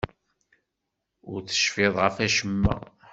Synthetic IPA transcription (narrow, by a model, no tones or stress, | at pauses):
ʊɾθə̥ʃfeðˤʁəfæʃəmːæ̰